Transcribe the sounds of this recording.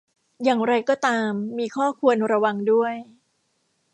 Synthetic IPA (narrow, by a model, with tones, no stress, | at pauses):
jaː˨˩ŋɾa˧jkɔː˥˩t̪aː˧mːiː˧kʰɔː˥˩kʰu˧ənɾa˧wa˧ŋdu˥˩əj